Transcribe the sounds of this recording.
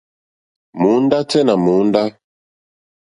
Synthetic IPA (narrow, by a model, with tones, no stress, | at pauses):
mu˨˦nda˦tɛ˦na˨mu˨˦n˦da˦